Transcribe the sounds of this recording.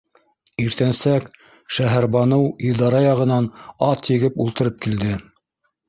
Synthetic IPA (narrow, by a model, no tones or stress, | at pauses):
iɾt̪ænsæk | ʃæɦæɾβɑnɤwiðɑɾɑjɑʁɤ̆nɑnɑt̪jɘ̆ɡɘpulˠt̪ɤ̆ɾɤp̚kild̪ɘ